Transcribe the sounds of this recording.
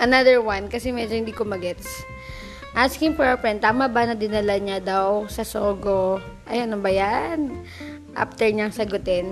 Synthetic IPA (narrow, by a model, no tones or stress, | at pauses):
ʔɐnaðɛɹwankɐsɛmɛd͡ʒohɪnd̪ikomɐɡɛt̪s | ʔaskɪŋpɛpɛnt̪aːmabɐnɐd̪ɪnɐlaɲad̪awsɐsoːɡo | ʔɐjɐnobɐjaʔn | ʔa̰ft̪ɛɹɲaŋsɐɡʊt̪ɛn